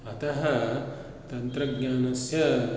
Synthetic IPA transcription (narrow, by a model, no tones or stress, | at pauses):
ɐt̪ɐɦɐ | t̪ɐnt̪ɾɐɡɲaːnɐsjɐ